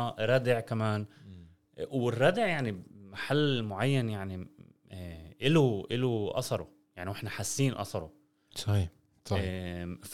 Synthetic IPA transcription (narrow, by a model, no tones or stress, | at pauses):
ɾˤɑːd̪ɪʕkamaːn | wɪrˤːɑːd̪ɪʕjaʕnimaħalːmʊʕajːanjaʕni | ʔɪluʔɪluʔɑ̰sˤɑɾˤṵ | jaʕniwʔɪħnaħasːiːnʔɑ̰sˤɑɾˤṵ | sˤɑhiːˤ | ɑf